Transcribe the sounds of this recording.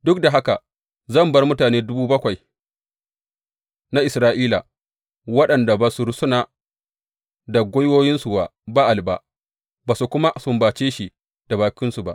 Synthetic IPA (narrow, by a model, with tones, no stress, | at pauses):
dʊ˦k̚da˨ɦa˦ka˨ | zɐ˦˨mbɐ˦rmʊ˦taː˨neː˦dʊ˦buː˦bɐ˦kʷa˨j | na˦ʔɪ˨sɾaː˦ʔiː˦la̰˨ | wɐ˦ɗɐ˨nda˨baː˨su˨ɾsʊ˦naː˨ | da˨ɡʷoː˦jwoː˦jɪ˦nsu˨ba˨ba˦ʔa˨lba̰˨ʔ | baː˨su˨kʷʊ˦ma˦sʊ˦mbaː˨t͡ʃeː˦ʃi˨ | d̥a˨baː˨kʲɪ˦nsu˨ba̰˦ʔ